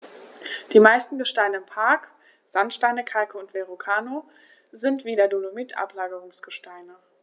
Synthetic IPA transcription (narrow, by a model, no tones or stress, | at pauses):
d̥iːmaɪstn̩ɡəʃtaɪnəɪmpʰaɐk | z̥antʃtaɪnəkʰalkəʊntv̥eʁokʰaːno | zɪntv̥iːdɐdolomɪtʰʔa̰plaːɡəʁʊŋsɡ̥əʃtaɪnə